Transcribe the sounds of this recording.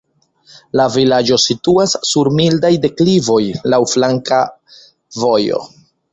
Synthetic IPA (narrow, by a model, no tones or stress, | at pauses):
lavilad͡ʒo̞situasːuɾmildajde̞klivo̞jlawflaŋka | vo̞jo̞̰